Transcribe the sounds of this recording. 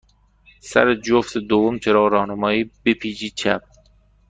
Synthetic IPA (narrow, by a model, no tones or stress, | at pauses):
sæ̰ɾed͡ʒoft̪ʰed̪ovːomt͡ʃʰeɾɒːɣɾɒːhnemɒːiːbepʰiːd͡ʒiːt͡ʃʰæp̚